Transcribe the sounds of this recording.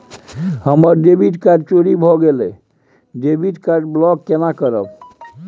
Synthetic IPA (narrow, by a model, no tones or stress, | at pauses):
həməɾɖebiʈkaɾɖ̚t͡ʃoɾibʱɔɡele | ɖebiʈkaɖblɔkkːenakəɾə̰b